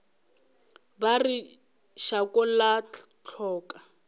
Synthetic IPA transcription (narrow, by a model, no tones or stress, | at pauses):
bari | ʃakɔla | t͡ɬʰɔːkʼa